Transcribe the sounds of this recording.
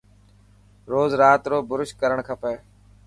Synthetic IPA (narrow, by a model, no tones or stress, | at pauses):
ɾoːzɾaːt̪ɾoːbʊɾɪʃkəɾəɳkʰəpeː